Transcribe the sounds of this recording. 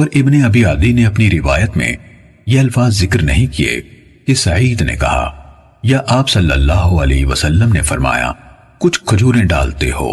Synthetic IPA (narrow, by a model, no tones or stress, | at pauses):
ɔːɾʔɪbneɐbiaːd̪ineɐpniɾɪʋa̰ːjət̪mḛ̃ | jeɐlfaːzːɪkɾnɐɦĩkiḛ | kesɐiːd̪nḛkɐ̰ɦa̰ | jaʔaːpsɐlːəlːaːɦoɐleːɦʋɐsəlːəmnefɐɾma̰ːja̰ | kʊt͡ʃʰkʰʊd͡ʒʱuːɾẽɖa̰ːlt̪ḛho̰ː